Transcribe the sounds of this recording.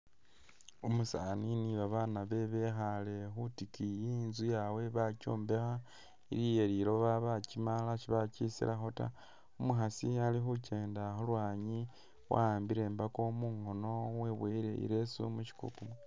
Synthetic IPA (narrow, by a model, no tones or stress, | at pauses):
umusaniniβaβanaβe̞βe̞xale̞xutikijinzujawe̞βaco̰ːmbe̞xa | ḭɾijeɾiɾo̞βaβacimalaʃiβacisḭlaxota̰ | umuxasialixuce̞ːndaxolwaːɲi | wa̰aːmbiɾe̞ːmbako̞muŋho̞no̞we̞βweɾḛḭɾesṵmuci̥kṵkumwe